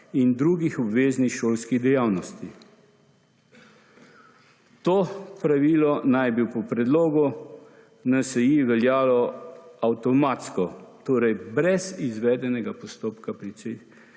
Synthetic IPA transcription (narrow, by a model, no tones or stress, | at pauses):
ind̪ɾuːɡixɔbʋeːznixʃoːlskiɣd̪ɛjaːwnɔst̪i | t̪oːpɾaʋiːlɔnajbiwpɔpɾɛd̪loːɡu | nasɛjiʋɛljaːlɔawt̪ɔmat̪skɔt̪oːɾɛjbɾɛzizʋɛːd̪ɛnɛɡapɔst̪oːpkapɾit͡s̪ej